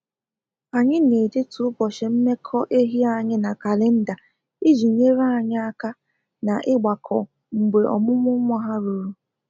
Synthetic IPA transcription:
a˨ɲɪ˦ne˨de˦tʊ˨˦ʊ˦bɔ˨ʃe˨m̩˦me˦kʰɔ˦ʔe˦ɦi˦a˨ɲɪ˦na˨ka˨le˦n̩˦da˨ | i˦d͡ʒi˨ɲe˦ɾa˦˨ɲa˦a˦ka˦ | na˨ʔɪ˦ɡ͡ba˨kʰɔ˨ | ŋ͡m̩˨ɡ͡be˨ʔɔ̰˨mʊ˦mʊ˦mʷ˦a˦ɦa˦ɾu˨ɾu˦

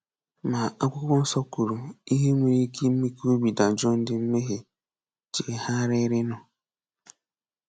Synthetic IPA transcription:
ma˨a˦kʷʊ˦kʊ˦n̩˦sɔ˦ku˨ɾu˨i˦ɦe˦ŋʷe˨ɾi˦kʰe˦m̩˦me˦ko˦bi˨da˨d͡ʒɔ˦n̩˦dɪ˨m̩˦me˦ɦe˨ | t͡ʃe˨ha˦ɾɪ˦ɾɪ˦nɔ˨

